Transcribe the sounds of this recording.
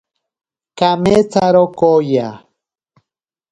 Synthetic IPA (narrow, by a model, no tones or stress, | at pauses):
kamet͡saɾokoja